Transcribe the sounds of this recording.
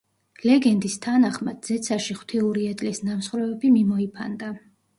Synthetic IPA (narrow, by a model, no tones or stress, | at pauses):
lɛɡɛnd̪ist̪ʰanaχmad̪̥zɛt̪sʰaʃiχw̥t̪ʰiuɾiɛt̪ʼlisnamsχɾɛvɛbimimɔipʰa̰nd̪a